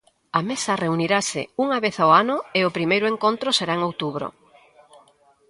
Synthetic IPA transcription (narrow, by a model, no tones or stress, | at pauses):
amesɐreuniɾasɪ̰uŋaβeθaoanʊeʊpɾimejɾʊeŋkont̪ɾʊseɾaeŋowt̪uβ̞ɾo̰